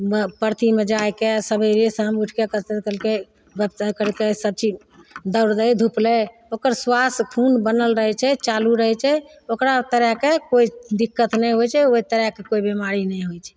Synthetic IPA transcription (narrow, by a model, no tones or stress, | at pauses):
pəɾt̪imed͡ʒajkesəbʱəɾesə̃ɦəmuʈʰkekəɾt̪ekəlke | bəbt̪kəɾkesəb̚t͡ʃi | d̪əwɾd̪əjd̪ʱuple | okəɾswaskʰunbənəlɾəɦɛt͡ʃʰɛt͡ʃaluɾəɦɛt͡ʃʰɛ | okɾat̪əɾɛkekoid̪ikːət̪nɛjɦojt͡ʃʰɛoit̪əɾɛkekoibemaɾinɛjɦojt͡ʃʰɛ̥